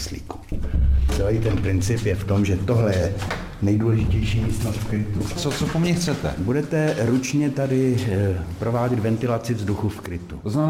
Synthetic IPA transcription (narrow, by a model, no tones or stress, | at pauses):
slḭːku̥t͡sɛlɛjt̪ɛnpɾɪnt͡sɪpjɛft̪o̞mʒɛt̪oɦlɛjɛ | nɛjduːlɛʒɪcɛjʃiːjist̪nost̪fkɾɪt̪ut͡sot͡sokomɲɛxt͡sɛt̪ɛ̰budɛt̪ɛɾut͡ʃɲɛt̪adɪ | pɾo̞vaːɟɛd̪vɛnt̪ɪlat͡sɪvzduxufkɾɪt̪ut̪oznamɛn